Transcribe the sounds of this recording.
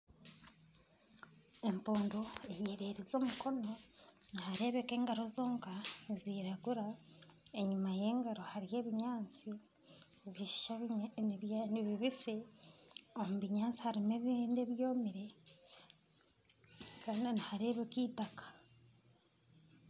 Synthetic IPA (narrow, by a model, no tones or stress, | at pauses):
e̞mpuːnduejeːɾeɾezo̞ːmuko̞no̞nihaɾe̞ːβeke̞ːŋɡaɾo̞zo̞ːŋkaniziːɾaɡuɾae̞ɲumaje̞ːŋɡaɾohaɾije̞ːβiɲaːnt͡si | βiʃi̥ʃaβjniβiβise | omuβiɲaːnt͡si̥haɾimeβineβjo̞ːmiɾe̞ | kaːndinihaɾe̞ːβekiːtakḁ